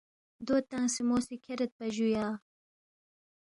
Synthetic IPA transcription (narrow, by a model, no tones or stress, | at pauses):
d̪ot̪aŋsimosikʰeɾet̪̚pɐʑujɑː